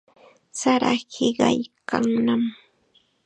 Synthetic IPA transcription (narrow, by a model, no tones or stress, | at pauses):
saɾaɢɪɢɑjkaŋnam